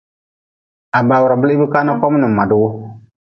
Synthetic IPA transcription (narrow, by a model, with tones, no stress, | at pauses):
a˨ba˨wu˨ɾa˨bɨ˦li˦bɨ˦kaː˦na˦kɔ˦m˦nɨ˨ma˨du˨wʊ˦